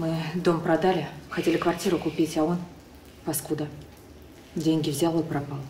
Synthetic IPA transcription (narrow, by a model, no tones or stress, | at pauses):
mɨd̪omprad̪alʲɪxatʲelʲɪkvartʲiɾʊkʊpʲitʲaon | paskud̪ə | dʲeŋʲɡʲɪvzʲalˠɨprapɑlˠ